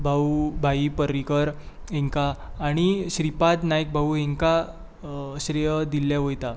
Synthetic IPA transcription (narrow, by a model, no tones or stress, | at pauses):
bʱaubʱaipəɾikəɾ | eŋkaːɽ̃iɕɾipat̪najk̚bʱauɦeŋka | ɕɾijd̪ilːjaʋojt̪a